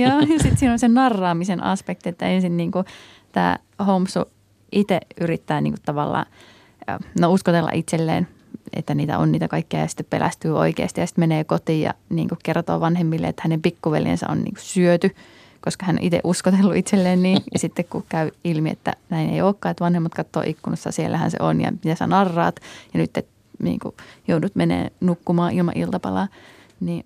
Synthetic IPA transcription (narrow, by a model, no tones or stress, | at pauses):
joːjɑsit̪siːnonsenɑrːɑːmisenʔɑ̰spek̚t̪iet̪ːæensinniːŋku | t̪æ̰ː | houmsu | ʔit̪eʔyrit̪ːæːnḭːŋkut̪t̪ɑʋɑlːɑ̰ː | nouskot̪elːɑ̰ʔit̪selːḛːn | ḛt̪ːæniːt̪æ̰o̰niːt̪ækɑikːiɑ̰jɑsi̥t̪ːeppḛlʔæ̰st̪yːo̰ikḛɑst̪ijjɑsi̥t̪meneːkot̪iːjɑ̰nḭːŋkukkert̪o̰ːʋɑnhemːilːḛḛt̪ːhænempikːuʋæ̰ljḛnsæ̰ʔo̰nnḭːŋku̥syøt̪y | koskɑhænːo̰ʔit̪ḛʔuskot̪elːuit̪selːeːnniːjɑsit̪ːekkukæyilmiḛt̪ːæ̰næinḛioːkːɑːet̪ʋɑnhemːɑt̪kɑt̪ːo̰ːʔikːunosːɑ̰sielːæhæ̰nsḛonjɑ̰mit̪æsɑnɑrːɑːt̪jɑnyt̪ːet̪ | nḭːŋkṵjoudut̪menḛːnukːumɑːʔilmɑ̰ʔilt̪ɑpɑlɑː | niː